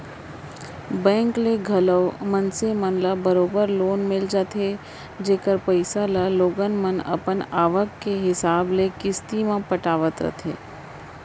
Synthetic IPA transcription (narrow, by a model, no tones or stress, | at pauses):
bɛ̃ːŋkleɡʱɐləʋmənsemənlabəɾoːbəɾloːnmɪld͡ʒaːt̪ʰe | d͡ʒeːkəɾpəɪsalaloːɡənmənɐ̰pənaːʋəkːeɦɪsaːblekɪst̪imãpəʈaːʋət̪ɾə̰t̪ʰḛː